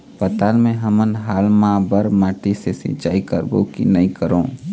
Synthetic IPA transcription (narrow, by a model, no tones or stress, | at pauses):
pɐt̪aːlmẽɦɐmənɦaːlmãːbəɾmaːʈisesɪ̰t͡ʃaːikəɾbo̰kḭnɐĩkəɾõː